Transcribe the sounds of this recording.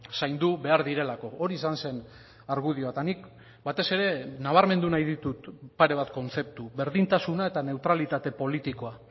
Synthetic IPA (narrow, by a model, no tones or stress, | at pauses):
sajnd̪uβe̞aɾðiɾe̞lako̞oɾiːsanse̞n | aɾɣuð̞ioat̪anik | bat̪e̞se̞ɾe̞naβ̞aɾme̞nd̪unajðit̪ut̪paɾe̞β̞at̪ko̞nt͡se̞p̚t̪uβe̞ɾðint̪asunae̞t̪ane̞wt̪ɾalit̪at̪e̞po̞lit̪iko̞a